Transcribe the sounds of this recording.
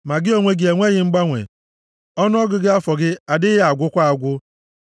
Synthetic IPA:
ma˨ɡɪ˦o˦ŋʷe˦ɡɪ˦e˨ŋʷe˦ɣɪ˦ŋ͡m̩˦ɡ͡ba˦ŋʷḛ˨ | ɔ˦nʊ˦ɔ˦ɡʊ˨ɡɪ˦a˦fɔ˨ɡɪ˦a˨dɪ˦ja˨ɡʷʊ˦kʷa˦a˨ɡʷʊ˦

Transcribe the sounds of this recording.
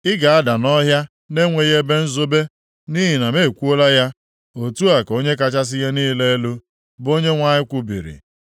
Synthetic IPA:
ɪ˦ɡa˨a˦da˨nɔ˦ɦja˦ | ne˦ŋʷe˨je˦be˦n̩˦zo˦be˦ | ni˦ɦi˨na˨me˦˨kʷu˦o˦la˦ja˦ | o˨tu˦a˨ko˦ɲe˦k̬a˦t͡ʃa˦s̬ɪ˦ja˦niː˦le˦e˦lu˦ | bo˦ɲe˦ŋʷa˦ɲɪ˦kʷʊ˦bḭ˨ɾḭ˨

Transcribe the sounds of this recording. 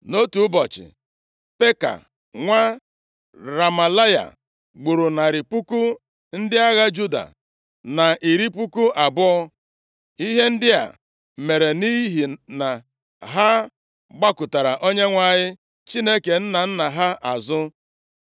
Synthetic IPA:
no˦tu˨ʊ˦bɔ˨t͡ʃɪ̰˨ | pe˦ka̰˨ | ŋʷa˦ | ɾa˨ma˨la˦ja̰˨ | ɡ͡bu˨ɾʊ˨na˨ɾɪ˨pu˦ku˦ | n̩˦dɪ˦a˦ɣa˦d͡ʒu˦da̰˨ | na˨ʔi˨ɾi˦pu˦ku˦ʔa˨bʊ˦ɔ˦ | i˦ɦe˦n̩˦dɪ˦a̰˨ | me˨ɾe˨ni˦ɦi˨na˨ | ɦa˦ | ɡ͡ba˦kʊ˨ta˨ɾa˨ʔo˦ɲe˦ŋʷa˨ɲɪ˦ | t͡ʃi˦ne˦ke˨n̩˦na˨n̩˦na˨ɦa˦ʔa̰˨zʊ˦

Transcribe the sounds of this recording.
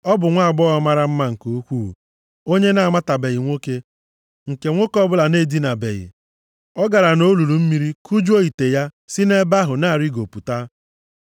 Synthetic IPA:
ɔ˦bʊ˨ŋʷa˦a˨ɡ͡bɔ˦ɣɔ˦ma˦ɾa˦m̩˦ma˦ŋ̩˨ko˦kʷṵ˦˨ | o˦ɲe˦na˨ma˦ta˨be˨ɣɪ˨ŋʷo˦ke˦ | ŋ̩˨ke˨ŋʷo˦kɔ˦bʊ˦la˨ne˦di˦na˨bḛ˨ɣɪ̰˨ | ɔ˦ɡa˨ɾa˨no˦lu˨lu˨m̩˦mi˦ɾi˦ku˦d͡ʒu˦o˦i˨te˨ja˦sɪ˦ne˦ba˦ɦʊ˨na˦˨ɾi˦ɡo˨pu˨ta˦

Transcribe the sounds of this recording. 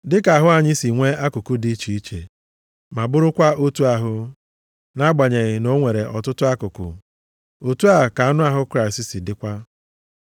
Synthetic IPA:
dɪ˦ka˨a˨ɦʊ˦a˨ɲɪ˦si˨ŋʷe˦a˦kʊ˨kʊ˦di˦t͡ʃi˨i˦t͡ʃḛ˨ | ma˨bʊ˦ɾʊ˦kʷa˦o˦tu˦a˨ɦʊ˦ | na˦ɡ͡ba˨ɲe˨ɣɪ˨no˦ŋʷe˨ɾe˨ʔɔ̰˨tʊ˦tʊ˦a˦kʊ˨kʊ̰˨ | o˨tu˦a˦˨ka˨a˦nʊ˦a˦ɦʊ˦kɾa˦ɪ˨si˦si˨dɪ˦kʷa˦

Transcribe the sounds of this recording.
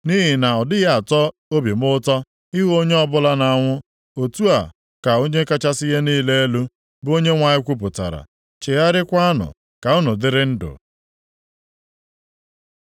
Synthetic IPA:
ni˦ɦi˨na˨ɔ˨dɪ˦ɣa˦a˨tɔ˦ | o˦be˨m˦ʊ˦tɔ˦ | i˦ɦo˦ɲe˦ɔ˦bʊ˦la˦na˨a˨ŋʷʊ˦ | o˨tu˦a˨ | ka˨o˦ɲe˦ka˦t͡ʃa˦sɪ˦ɣe˦niː˦le˦e˦lu˦ | bo˦ɲe˦ŋʷa˨ɲɪ˦kʷu˦p̬ʊ˨ta̰˨ɾa̰˨ | t͡ʃe˨ja˦ɾɪ˦kʷa˦a˦nʊ̰˨ | ka˨ʊ˦nʊ˨dɪ˦ɾɪ˦n̩˦dʊ̰˨

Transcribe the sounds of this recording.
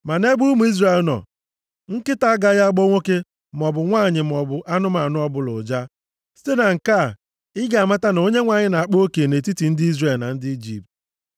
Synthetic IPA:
ma˨ne˦bu˦mu˨˦i˦zre˦˨e˨lnɔ̰˨ | ŋ̩˦kɪ˦ta˦a˦ɡa˨ɣa˦a˦ɡ͡bo˦ŋʷo˦ke˦ | m̩˨ɔ˨bʊ˨ŋʷaː˦˨ɲɪ˨m̩˨ɔ˨bʊ˨ʔa˦nʊ˦ma˨nʊ˦ɔ˦bʊ˨lʊ̰˨d͡ʒa˦ | si̥˦te˦na˨ŋ̩˨ka˦˨ | ɪ˦ɡa˨ma˦ta˦n˨o˦ɲe˦ŋʷa˨ɲɪ˦na˨a˨k͡po˦ke˨ne˨ti˦ti˨n̩˦dɪ˦i˦zre˨lna˨n̩˦dɪ˦i˦d͡ʒḭ˨p̚t

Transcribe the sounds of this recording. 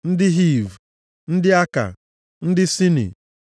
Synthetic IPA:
n̩˦dɪ˦ɦi˦˨v | n̩˦dɪ˦a˦ka̰˨ | n̩˦dɪ˦si˦nḭ˨

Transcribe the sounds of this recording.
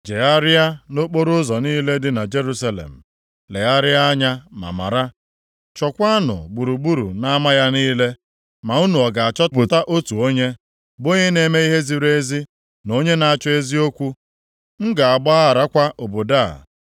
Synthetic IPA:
d͡ʒe˨a˦ɾɪ˦a˦no˦k͡po˦ɾʊ˦zɔ˨niː˦le˦dɪ˦na˨d͡ʒe˦ɾu˦sa˦lḛ˨m̩˨ | le˨ɣa˦ɾɪ˦a˦a˦ɲa˦ma̰˨ma̰˨ɾa˦ | t͡ʃɔ˨kʷa˦a˦nʊ̰˨ɡ͡bu˨ɾu˨ɡ͡bu˦ɾṵ˨na˦ma˦ja˦niː˦le˦ | ma˨u˦nu˨ɔ˨ɡa˨a˨t͡ʃɔ˦bʊ˨ta˦ʔo˦tu˨o˦ɲe˦ | bo˦ɲe˦ne˨me˦i˦ɦe˦zi˦ɾe˦zi˦ | no˦ɲe˦na˨a˨t͡ʃɔ˦e˦zi˦o˦kʷu˦ | ŋ̩˦ɡa˨a˨ɡ͡ba˦a˦a˨ɾa˦kʷa˦ʔo˨bo˨da̰˦˨

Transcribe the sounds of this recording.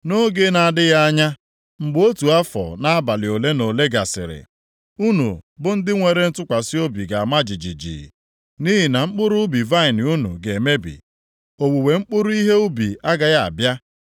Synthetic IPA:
no˦ɡe˦na˨a˨dɪ˦ja˦a˦ɲa˦ | ŋ͡m̩˨ɡ͡bo˦tu˨a˦fɔ̰˨na˦a˦ba˨lɪ˨o˨le˦no˨le˦ɡa̰˨sɪ̰˨ɾɪ̰˨ | u˦nṵ˨bʊ˦n̩˦dɪ˦ŋʷe˨ɾe˦n̩˦tʊ˦kʷa˨si˦o˦bi˨ɡa˨ma˦d͡ʒi˨d͡ʒḭ˨d͡ʒḭ˨ | ni˦ɦi˨na˨ŋ͡m̩˦k͡pʊ˦ɾʊ˦bi˨va˦ɪ˨n˨u˦nṵ˨ɡe˨me˦bḭ˨ | o˨wu˨we˨ŋ͡m̩˦k͡pʊ˦ɾu˦i˦ɦe˦u˦bi˨a˦ɡa˨ja˦a̰˨bja˦

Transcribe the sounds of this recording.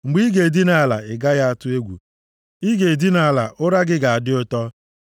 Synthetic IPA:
ŋ͡m̩˨ɡ͡bi˦ɡe˨di˦na˨a˨la̰˨ɪ˨ɡa˦ja˦a˨tʊ˦e˦ɡʷṵ˨ | i˦ɡe˨di˦na˨a˨la̰˨ʔʊ˦ɾa˦ɡɪ˦ɡa˨a˨dɪ˦ʊ˦tɔ˦

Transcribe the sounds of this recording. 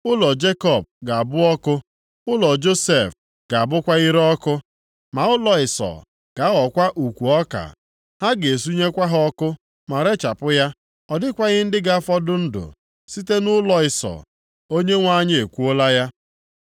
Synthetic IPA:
ʊ˦lɔ˨d͡ʒe˦kɔ˨b̚ɡa˨a˨bʊ˦ɔ˦kʊ˦ | ʊ˦lɔ˨d͡ʒo˦se˨f | ɡ̥a˨a˨bʊ˦kʷa˦i˦ɾɔ˦kʊ˦ | ma˨ʊ˦lɔ˨ɪ˨sɔ̰˨ | ɡ̥a˨˦ɔ˨kʷa˦ʔu˨kʷu˨ɔ˦ka̰˨ | ha˦ɡe˨s̬u˦ɲe˦kʷa˦ɦɔ˦kʊ˦ | ma˨ɾe˦t͡ʃa˨pʊ˦ja˦ | ɔ˨dɪ˦kʷa˦ɣɪ˦n̩˦dɪ˦ɡa˦a˦fɔ˦dʊ˦n̩˦dʊ̰˨ | si˦te˦nʊ˦lɔ˨ɪ˨sɔ̰˨ | o˦ɲe˦ŋʷa˦ɲɪ˦e˨kʷu˦o˦la˦ja˦

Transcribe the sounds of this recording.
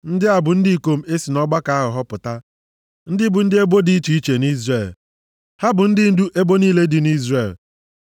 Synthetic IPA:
n̩˦dɪ˦a˨bʊ˨n̩˦di˦i˦˨ko˦m̩˦e˦si˨nɔ˦ɡ͡ba˦ka˨˦a˦ɦʊ˨ɦɔ˦pʊ˨ta˦ | n̩˦dɪ˦bʊ˨n̩˦dɪ˦e˦bo˦di˦i˦t͡ʃi˨i˦t͡ʃe˨ni˦zre˦˨l | ha˦bʊ˨n̩˦dɪ˦n̩˦du˦ʔe˦bo˦niː˦le˦dɪ˨ni˦zre˨l

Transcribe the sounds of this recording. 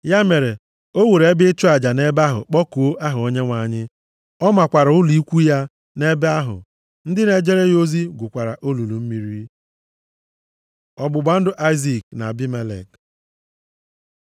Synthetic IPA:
ja˦me˨ɾe˨ | o˦we˨ɾe˨˦bɪ˦t͡ʃu˦a˨d͡ʒa˨ne˦ba˦ɦʊ̰˨k͡pɔ˦ku˨o˦ʔa˦ɦʊ˨o˦ɲe˦ŋʷa˨ɲɪ˦ | ɔ˦ma˨kʷa˨ɾa˨ʊ˦li˦kʷu˦ja˦ | ne˦be˦a˦ɦʊ̰˨ | n̩˦dɪ˦ne˨d͡ʒe˦ɾe˦jo˦zi˦ɡʷʊ˨kʷa˨ɾa̰˨ʔo˦lu˨lu˨m̩˦mi˨ɾi˦ | ɔ˨bʊ˨ɡ͡ba˨n̩˦dʊ˦ʔa˦ɪ˦zi˨k̚na̰˨bi˦me˦lḛ˨k

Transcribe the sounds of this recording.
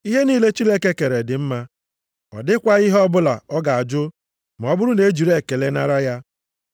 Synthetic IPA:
i˦ɦe˦niː˦le˦t͡ʃi˦le˦ke˦ke˨ɾe˨dɪ˨m̩˦ma˦ | ɔ̰˨dɪ˦kʷa˦i˦ɦɔ˦bʊ˦la̰˨ɔ˦ɡa˨a˨d͡ʒʊ˦ | ma˨ɔ˦bʊ˦ɾʊ˦ne˨˦d͡ʒi˨ɾe˦˨ke˨le˦na˦ɾa˦ja˦

